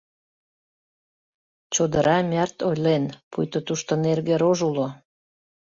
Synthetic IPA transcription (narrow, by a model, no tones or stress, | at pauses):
t͡ɕod̪əɾɑmʲært̪ojlenpujt̪ot̪uʃt̪onerɣeɾoʒulo